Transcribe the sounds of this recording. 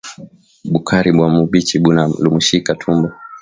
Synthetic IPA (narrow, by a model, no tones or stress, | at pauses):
ɓukʰaɾiɓwamuɓit͡ʃiɓunalumuʃikatʰumbɔ